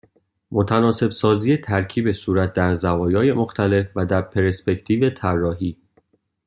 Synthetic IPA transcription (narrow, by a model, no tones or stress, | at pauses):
mo̞t̪ʰænɒːse̞bsɒːzijet̪ʰæɾcʰiːbe̞suːɾæt̪̚d̪æɾzævɒːjɒːje̞mo̞xt̪ʰæle̞fvæd̪æɾpʰeɾespecʰt̪ʰiːve̞t̪ʰærːɒːɦiː